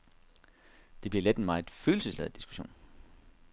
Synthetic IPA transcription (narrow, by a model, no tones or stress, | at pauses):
d̥e̝b̥liɐled̥e̝nmɑ̈ɪð̩ˠføːl̩səslḛð̩ˠd̥i̥sɡ̥u̥ɕo̝̰ːn